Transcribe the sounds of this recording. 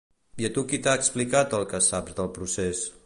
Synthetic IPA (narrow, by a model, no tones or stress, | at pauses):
iət̪ukit̪aːksplikat̪əlˠkəsabzðəlˠpɾuses